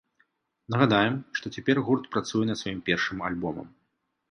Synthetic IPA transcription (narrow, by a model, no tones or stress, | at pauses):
nɐɣad̪ajɛmʂt̪ɔt͡sʲɛpʲɛrɣurt̪pɾat̪sujɛnɐt̪svajimpʲɛrʂɨmalʲbɔmɐ̰m